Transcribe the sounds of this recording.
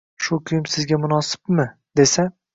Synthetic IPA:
ʃʊkʲʰʊjɪmsɪzɡʲamʊnɒsɪ̥pmɪ | d̪e̞sa

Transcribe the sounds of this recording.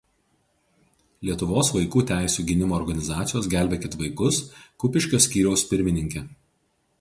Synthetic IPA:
lʲiɛt̪ʊʋoːsʋɐɪkuːt̪ʲæˑɪsʲuːɡʲɪnʲɪmoːɾɡɐnʲɪzɑːt̪sʲɪjoːsɡʲæˑlʲbʲɛkʲɪt̪ʋɐɪkʊskʊpʲɪʃʲkʲoːsʲkʲiːɾʲɛʊspʲɪɾʲmʲɪnʲɪŋʲkʲeː

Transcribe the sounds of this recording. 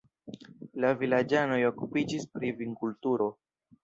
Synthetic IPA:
lavilad͡ʒano̞jo̞kupid͡ʒispɾiviŋkultuɾo̞

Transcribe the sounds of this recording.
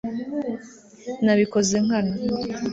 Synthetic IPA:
naβiko̞ze̞ŋ̥ana

